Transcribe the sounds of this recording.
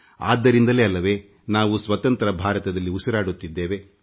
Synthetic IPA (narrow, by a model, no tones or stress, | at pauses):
a̰ːd̪ːɐɾind̪ɐleːɐlːɐʋe̞ː | naːʋusʋɐt̪ɐnt̪ɐɾɐbʱaːɾɐt̪ɐd̪ɐlːiusɐɾaːɽut̪ːid̪ːeːʋe